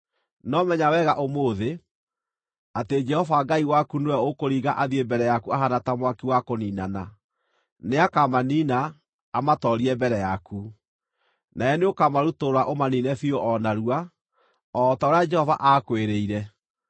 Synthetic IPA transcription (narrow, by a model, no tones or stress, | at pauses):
nɔmɛɲawɛɣaʔomoːðe | ated͡ʒɛhɔvaɡaiwakunewɛɔokoɾiːɣaʔaðiembɛɾɛjakuaɦanatamwakiwakoniːnana | neakamaniːnaː | matɔɾiɛmbɛɾɛjaku | naɛneokamaɾutoɾaʔomaniːnɛfioʔɔnaɾua | ɔtaoɾead͡ʒɛhɔvaʔakweɾeiɾɛ